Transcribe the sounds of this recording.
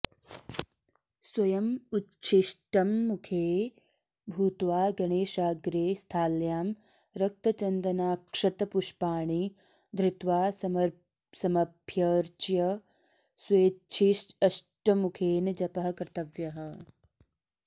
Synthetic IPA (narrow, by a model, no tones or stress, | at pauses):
swɐjɐmutːt͡ʃʰiʃʈɐmːukʰeː | bʱuːt̪ʋaːɡɐɳeːʃaːɡɾeːst̪ʰaːljaːm | ɾɐk̚t̪ɐt͡ʃɐnd̪ɐnaːkʂɐt̪ɐpuʃpaːɳi | d̪ɾɪt̪ʋaːsɐm | sɐmɐbʱjɐɾt͡ʃjɐ | sweːt͡ʃʰiʃɐʃʈɐmukʰeːnɐd͡ʒɐpɐɦɐ̆kɾt̪ɐʋjɐɦɐ̆